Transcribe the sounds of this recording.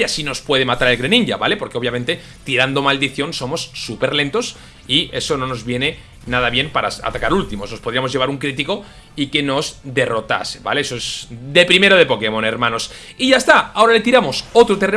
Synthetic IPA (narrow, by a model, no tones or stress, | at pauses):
asino̞spwe̞ð̞e̞mat̪aɾelɣɾenĩɲɟaβale̞po̞ɾkeoβjament̪e̞ | t̪iɾand̪o̞mald̪iθjo̞nso̞mo̞sːupe̞ɾle̞nt̪o̞s | ie̞so̞no̞no̞zβjene̞ | naðaβje̞mpaɾaa̰t̪akaɾult̪imo̞sno̞spoðɾiamoʝeβaɾuŋkɾit̪iko̞ | ike̞no̞zd̪e̞ro̞t̪a̰seβa̰leesoezd̪epɾime̞ɾoð̞e̞po̞ke̞mõ̞ne̞ɾmãno̞s | iʝaest̪aao̞ɾale̞t̪iɾamo̞so̞t̪ɾot̪e̞re